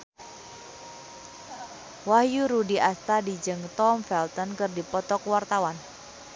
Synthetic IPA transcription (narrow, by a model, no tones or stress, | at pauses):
wahjuɾudiʔast̪adid͡ʒɨŋt̪ɔmfɛlt̪ɔnkɨrdipɔt̪ɔkwart̪awan